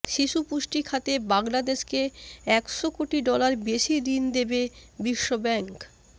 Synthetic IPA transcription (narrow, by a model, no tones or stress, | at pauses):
ʃiʃupuʃʈikʰat̪ebaŋlad̪eʃkeɛkʃokoʈiɖɔlaɾbeʃid̪ind̪ebebiʃːobɛŋk